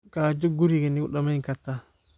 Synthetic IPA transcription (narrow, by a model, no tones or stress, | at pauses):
kad͡ʒoɡuɾikaniuɗamaiŋkatːa